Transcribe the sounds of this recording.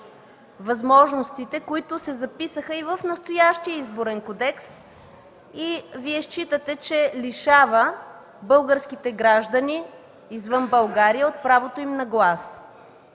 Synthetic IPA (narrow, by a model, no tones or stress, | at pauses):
vɐzmɔʒnost̪it̪ɛkoit̪ʊsɛzɐpisəxəivəfnəst̪ojaʃt̪iəizboɾɛnkod̪ɛks | iviɛʃt͡ʃit̪ət̪ɛt͡ʃɛliʃavə | bɤlˠɡəɾskit̪ɛɡɾaʒd̪əniː | zvɤnbɐlˠɡaɾijəot̪̚pɾavot̪oimnɐɡlˠas